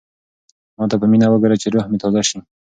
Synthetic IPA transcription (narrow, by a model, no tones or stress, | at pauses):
mɑt̪apəminawəɡaɾat͡ʃeɾohmet̪ɑzaʃi